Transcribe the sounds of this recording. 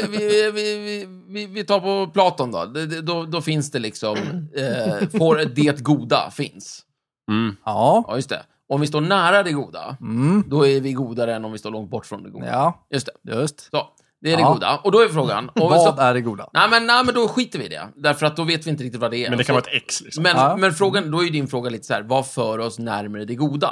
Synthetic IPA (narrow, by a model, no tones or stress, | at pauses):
vɪɪvɪvɪ | vɪvɪt̪ʰɑːɾpɔpʰlɑːt̪ɔnd̪ɔ̰d̪ɛɛd̪ɔd̪ɔfɪnsd̪ɛlɪksɔm | ffoːɾd̪eːt̪ɡuːd̪a̰fɪ̰ns | jɵst̪ʰɛ̰ | ɔmvɪst̪oːɳæːɾad̪ɛɡuːd̪a̰d̪ɔæɾvɪɡuːd̪aɾəɛnːɔmvɪst̪oːɾɭɔŋt̪̚bɔʈːfɾɔnd̪ɛ̰ɡṵjɵst̪ʰɛ̥jɵst̪sɔ | d̪ɛːɖɛuːd̪a̰ɔd̪ɔæɾfɾoːɡa̰nɔɔæɖɛɡuːd̪a̰nɛɪmɛnnæɪmɛnd̪ɔɧiːt̪əɾvɪ̰d̪ɛ̰d̪æɾfœɾat̪̚d̪ɔveːt̪vɪɪnt̪əɾɪk̚t̪ɪt̪vad̪ɛmɛndɛkanɑɾɛt̪ɛkslɪmɛnmɛnfɾoːɡand̪ɔæɾjɵd̪ɪnfɾoːɡaliːt̪ə̥sahæːɾvafœːɾɔsnæɾmɾəd̪ɛɡuːd̪a̰